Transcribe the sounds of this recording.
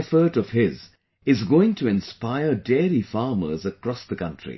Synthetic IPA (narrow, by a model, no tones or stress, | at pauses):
ɛfə˞ɾʌv̥ɪz | ɪzɡoɪ̃ŋtʰɨɨ̃nspaɪə˞dɛɹifɑɹmə̰˞zəkɹ̥ɔsðəkʰʌ̃ntʰɹ̥ḭ